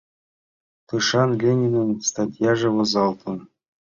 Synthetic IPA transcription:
t̪ɯʂɑnlʲenʲinɤnst̪at̪ʲjɑʐɤ̆βɤ̆zɑlˠt̪ʰɤ̆n

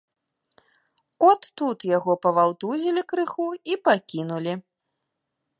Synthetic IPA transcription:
ɔt̪ːut̪jaɣɔpɐvawt̪uzʲilʲikɾɨxuipakʲinulʲi

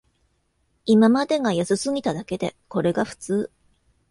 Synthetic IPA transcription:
imamad̪e̞ɡajasɨsɨŋʲit̪ad̪ake̞d̪e̞̰ko̞ɾe̞ɡaɸɯ̟̥t͡sɨː

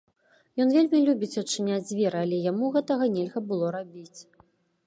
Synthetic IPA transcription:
jɔnvʲelʲmʲilʲubʲit͡sʲɐt͡ʂɨnʲad͡zʲzʲvʲɛɾɨalʲɛjamuɣɛt̪ɐɣɐnʲɛlʲɣɐbɨlˠɔɾabʲit͡sʲ

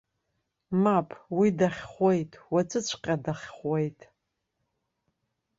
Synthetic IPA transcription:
mapʼʰwidaχʲχʷejtʼʰwat͡sʼɨt͡ɕʷʰqʲʼadaχʲχʷejtʼ

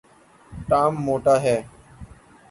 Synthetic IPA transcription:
ʈaːmːoːʈaːɦɛː

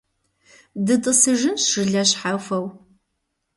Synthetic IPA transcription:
dɨtʼɨsɨʒɨnɕɨɮɐɕħafɐw

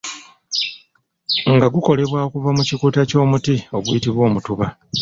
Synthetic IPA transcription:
ŋɡaɡuko̞le̞βwaokuvamucikutaco̞ːmutio̞ɡwiitiβwo̞ːmutuβa

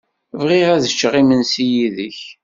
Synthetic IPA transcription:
vʁiʁæðət͡ʃːəʁimənsijiðəç

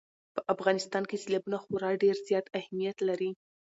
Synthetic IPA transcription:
pəʔafɣɑnɪst̪ɑnkesilabunaxoɾɑɖeɾzjɑt̪ahmijat̪laɾi

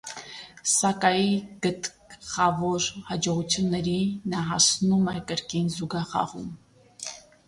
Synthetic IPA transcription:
sɑkɑjiɡ̥ət̪ | χɑvɔɾhɑd͡ʒɔʁut͡sʰjunːɛɾinɑɦɑsnumɛkəɾkinzuɡɑχɑ̰ʁṵm

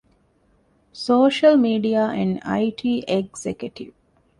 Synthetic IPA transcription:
soːʃəlmiːɖiaːʔɛ̃ɳɖa̰iʈʰiːʔeɡzekjuʈḭʋ

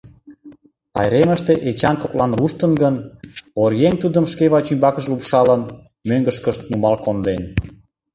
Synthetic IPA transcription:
ɑ̰jɾeməʃt̪eʔet͡ɕɑnkoklɑnruʃt̪ənɡənoɾjent̪ud̪əmʃkeβɑt͡ɕymbɑkəʃlupʃɑlən | møŋɡəʃkəʃt̪̚numɑlkond̪en

